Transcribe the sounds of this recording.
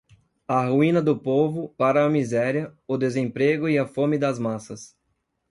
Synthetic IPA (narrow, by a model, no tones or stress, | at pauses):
ɐɦuĩnɐd̪ʊpovʊpaɾɐːmizɛɾiɐʊd̪ezẽpɾeɡʊiɐfõmɪd̪ɐzmasɐs